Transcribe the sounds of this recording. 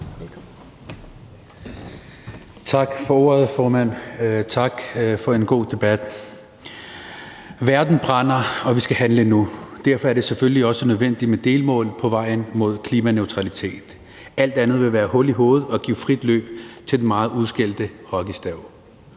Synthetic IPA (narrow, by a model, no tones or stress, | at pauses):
t͡sʰɑ̈ɡ̥fɒ̽ɔ̝̰ːɐð̩ˠfɒːmæn̰t͡sʰɑ̈ɡ̥fɒ̽e̝nɡ̥o̝̰ːd̥e̝b̥æd̥ | ʋæɐd̥n̩b̥ʁɑn̰ɐɒ̽ʋisɡ̥æɦænlənud̥æɐ̰fɒæɐɾ̥e̝sefølliɒ̽sənøðˠʋen̰d̥imed̥e̝ːlmɔ̰̽ːlpʰɒ̽ʋɑ̈ɪ̰n̩mo̝ð̞̰ˠkʰliːmæneʊt͡sʰʁɑ̈lit͡sʰe̝̰ːd̥ | æl̰d̥ænð̞̩ˠʋe̝ʋæːɐhɔ̽liɦo̝ːð̞̩ˠɒ̽ɡ̥ḭːfʁid̥lø̰ːb̥t͡sʰe̝d̥enmɑ̈ːð̩ˠuð̞ˠsɡ̥el̰d̥əhɒɡ̥isd̥æʊ̰